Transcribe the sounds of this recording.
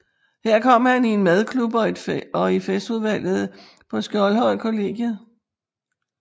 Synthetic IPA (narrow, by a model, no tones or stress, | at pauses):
heɐ̰kʰɒ̽m̰hænie̝nmæð̞ˠkʰlub̥ɒ̥̽ɒ̽ifesd̥uð̞ˠʋæl̰ð̞̩ˠ | pʰɒ̽sɡ̥ɒlhɒ̽ɪ̰kʰo̝le̝̰ɡ̥jə